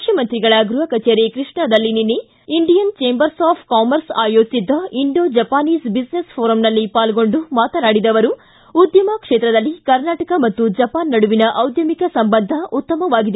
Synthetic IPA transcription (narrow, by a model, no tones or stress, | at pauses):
mukʰjɐmɐnt̪ɾiɡɐɭɐɡɾuɦɐkɐt͡ʃeːɾekɾiʂɳɐd̪ɐlːininːe | iɳɖijɐnt͡ʃeːmbɐɾsaːpʰkaːmɐɾsaːjoːd͡ʒid̪ːɐiɳɖoːd͡ʒɐpaːniːsbisnespʰoːɾɐmnɐlːipaːlɡo̞ɳɖumaːt̪ɐnaːɽid̪ɐʋɐɾu | ud̪jɐmɐkʂeːt̪ɾɐd̪ɐlːikɐɾnaːʈɐkɐmɐt̪ːud͡ʒɐpaːnːɐɽuʋinɐʔɐwd̪jɐmikɐsɐmbɐnd̪ʱɐʔut̪ːɐmɐʋaːɡid̪e